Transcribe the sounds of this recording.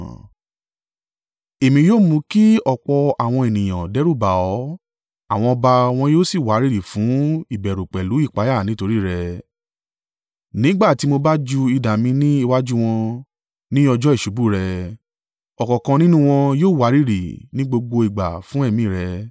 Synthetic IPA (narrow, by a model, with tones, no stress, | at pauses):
e˨mĩ˧joː˦˨mũ˧ki˦ɔ˦˨k͡pɔ˧a˨w̃ɔ̃˧e˨nĩ˨j̃ã˨dɛ˦ɾu˦˨ba˨ɔ˨˦ | a̰˦˨w̃ɔ̃˧ɔ˧ba˧w̃ɔ̃˧joː˦si˦˨wa˨˦ɾi˦ɾi˦˨fũ˨˦i˦˨bɛ˨ɾu˨k͡pɛ˨lu˨˦i˦˨k͡pa˨˦ja˦˨nĩ˦to˧ɾi˦˨ɾɛ˧ | nĩ˦ɡ͡ba˦˨ti˧mo˧ba˦d͡ʒu˧i˧da˨mĩ˧nĩ˦i˧wa˦d͡ʒu˦w̃ɔ̃˧ | nĩ˦ɔ˧d͡ʒɔ˦i˦˨ʃu˨˦bu˦˨ɾɛ˧ | ɔ˨kɔ˨kã˧nĩ˦nũ˦w̃ɔ̃˧joː˦˨wa˨˦ɾi˦˨ɾi˨nĩ˦ɡ͡bo˧ɡ͡bo˧i˨ɡ͡ba̰˨fũ˨˦ɛ˦˨mĩ˦˨ɾɛ˧